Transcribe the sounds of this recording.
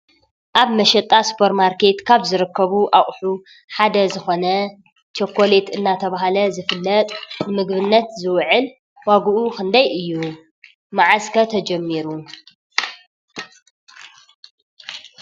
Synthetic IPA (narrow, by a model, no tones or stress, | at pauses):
ʔaβmɐʃɛt̪ʼːaspʰoɾmaɾkʰe̞t̪kʰaβzɨɾɨkʰːɐβuʔaχʼħu | ħad̪ɐzɨxo̞nɐ | t͡ʃʰokʰːole̞t̪ɨnːat̪ʰɐβaɦalɐzɨfɨlːɐt̪ʼnɨmɨɡβɨnːɐt̪zɨwʕɨl | waɡuʔukɨnd̪ɐjʔɨjːu | maʕaskʰɐt̪ʰɐd͡ʒɐmːiɾu